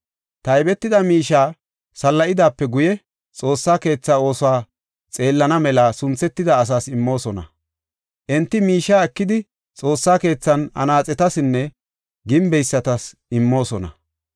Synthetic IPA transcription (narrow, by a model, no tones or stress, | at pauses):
t̪ɐjbɛt̪ːɪd̪ɐmiːʃaː | sɐlːɐʔɪd̪aːpːɛɡʊjɛ | t͡sʼo̞ːsːaːke̞ːt͡sːaːo̞ːsʊwaː | t͡sʼe̞ːlːɐnɐmɛlasʊnt͡sːɛt̪ːɪd̪ɐːs̬aːsɪmːo̞ːsɔnɐ̰ | ʔɛnt̪ːɪmiːʃːaːɛkːɪd̪ɪ | t͡sʼo̞ːsːaːke̞ːt͡sːɐnɐ̰naːt͡sʼɛt̪ɐsɪnːɛ | ɡɪmbɛjsːɐt̪ɐs | ɪmːo̞ːsɔnɐ̰